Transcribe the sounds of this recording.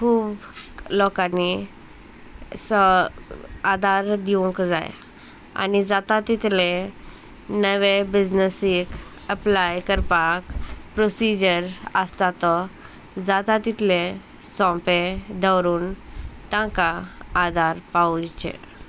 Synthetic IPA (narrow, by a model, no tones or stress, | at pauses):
kʰuːblɔkanːi | sə | ad̪ʱaɾd̪iʋɔ̃ŋkd͡za̰j̰ | a̰nid͡zat̪at̪it̪le | nəʋebid͡ʑnəsik | əplajkəɾpakpɾosid͡ʑəɾəst̪at̪ɔ | d͡zat̪at̪it̪lẽ | sɔ̃mped̪ʱəwɾuːnt̪ãkaːd̪ʱaɾpaut͡ɕḛ